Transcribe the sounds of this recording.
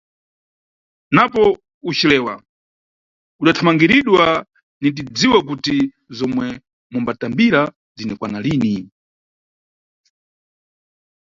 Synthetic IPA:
napɔ | ut͡ʃilɛːwa̰ | uɗatʰamaŋɡiɾiɗwa | nit̬id͡ziwak̬uti | zɔmwɛ | mumbatambiɾa | zinɛkwanaliːni

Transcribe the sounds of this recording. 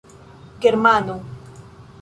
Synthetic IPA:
ɡeɾmano

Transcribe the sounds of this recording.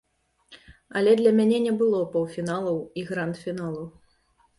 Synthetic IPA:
ɐlʲɛd̪lʲɐmʲanʲɛnʲɛbɨlˠɔpɔwfʲinalˠɐwiɣɾant̪fʲinalˠɐw

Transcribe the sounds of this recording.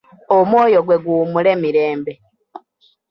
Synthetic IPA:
omwo̞ːjo̞ɡwe̞ɡuːmule̞miɾe̞ːmbe̞

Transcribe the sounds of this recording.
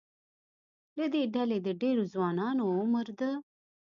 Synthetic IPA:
led̪eːɖɛled̪eɖeːɾuzwaːnaːnõːməɾd̪ə

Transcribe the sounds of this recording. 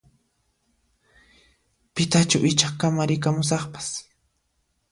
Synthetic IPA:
pɪt̪at͡ʃawʔɪt͡ʃɑχkamaɾɪk̬amʊs̬ɑχpḁs

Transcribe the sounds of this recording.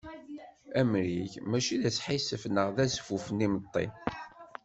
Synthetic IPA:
æmɾiçmæʃiðæt͡sːħisəfnəʁðæsfufənimət̪ˤːḭn

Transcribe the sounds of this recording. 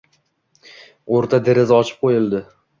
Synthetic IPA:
oɾt̪ʰad̪eɾɪzɒt͡ʃʰɪ̥p̚qʰojɪlˠd̪ɪ

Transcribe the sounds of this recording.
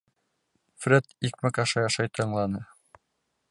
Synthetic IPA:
fɾʲet̪ik̚mɘkɑʃɑjɑʃɑjt̪ʰɤ̆ɴlˠɑnɤ

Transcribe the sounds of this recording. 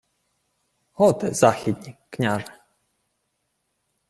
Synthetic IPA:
hɔt̪ɛz̥axʲid̪ʲnʲiknʲaʐɛ

